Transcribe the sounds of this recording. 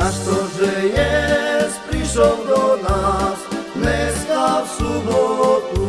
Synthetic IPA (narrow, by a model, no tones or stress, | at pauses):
aʂt̪ɔʐɛjɛst̪pɾiʂɔwd̪ɔnasmɛst̪afsubɔt̪u